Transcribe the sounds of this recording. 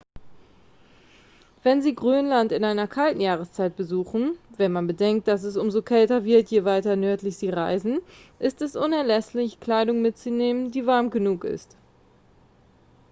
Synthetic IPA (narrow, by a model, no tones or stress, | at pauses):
v̥ɛnziːɡʁyːnlantɪnʔaɪnɐkʰaltn̩jaːʁ̞əst͡saɪt̚b̥əzuːχn̩vɛnmanbədɛŋk̚t̚d̥as̬ɛs̬ʔʊmzokʰɛltɐvɪɐtjeːvaɪtɐnœɐtlɪçz̥iːʁaɪzn̩ʔɪstɛsʔʊnɛɐlɛslɪçkl̥aɪdʊŋmɪtt͡suneːməndiːvaɐmɡənuːkɪ̰st